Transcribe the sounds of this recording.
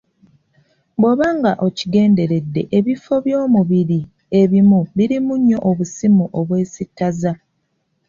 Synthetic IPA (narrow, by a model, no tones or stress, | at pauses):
bwoβaːŋɡaʔo̞ciɡe̞ːnde̞ɾe̞dːe̞̰ʔeβifo̞βjo̞ːmuβiɾi | e̞βimuβiɾimuɲːo̞ʔoβusimuʔo̞βwe̞ːsitːaza